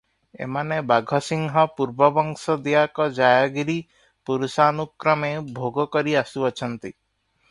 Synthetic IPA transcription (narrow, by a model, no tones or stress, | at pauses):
ḛmanebaɡʱɔsiŋɦɔpuɾbɔbɔŋsɔd̪iakɔd͡ʒajaɡiɾi | puɾusanukɾɔmebʱoɡɔkɔɾiasuɔt͡ʃʰɔnt̪i